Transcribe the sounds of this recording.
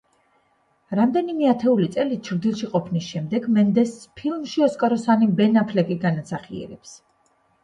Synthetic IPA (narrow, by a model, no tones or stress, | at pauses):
ɾamd̪ɛnimɛat̪ʰɛulit̪sʼɛlit͡ʃʰɾd̪ilˠʃiqʼɔpʰnisʃɛmd̪ɛɡmɛnd̪ɛspʰilˠmʃiɔskʼaɾɔsanibɛnapʰlɛkʼiɡanasaχiɛ̰ɾɛps